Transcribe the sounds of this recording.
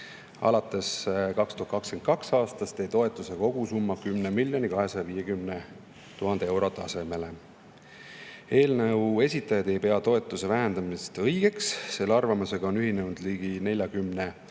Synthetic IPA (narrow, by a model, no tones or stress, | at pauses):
ɑ̰lɑt̪ːˑe̞skɑkst̪uhɑt̪kɑkskenkɑksɑːst̪ɑst̪e̞jt̪o̞e̞t̪ːˑuseko̞ɡ̥usumːɑkymnemilʲjo̞nikɑɦe̞sɑjɑviːje̞kymne | t̪uɦɑnd̪ee̞wɾo̞t̪ːˑɑse̞me̞le̞ | e̞ːlnəwe̞sʲit̪ːˑɑjɑd̪̥e̞jpe̞ɑt̪o̞e̞t̪ːˑuse̞væɦend̪ɑmist̪ɤjɡ̥e̞ksːe̞lːɑrvɑmuse̞ɡ̥ɑonyɦinennd̪liːɡ̥ine̞lʲjɑkymne